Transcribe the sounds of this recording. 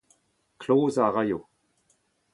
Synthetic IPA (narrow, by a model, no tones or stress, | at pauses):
kʰloːzaʁajo